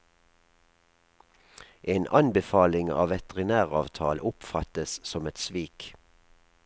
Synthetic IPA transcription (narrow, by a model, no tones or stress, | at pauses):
ʔeːnʔɑnbəfɑːlɪŋɑ̰ːʋɛt̪əʁɪnæːʁɑːʋt̪ʰɑːlʊpfɑt̪əssɔmɛt̪sʋiːk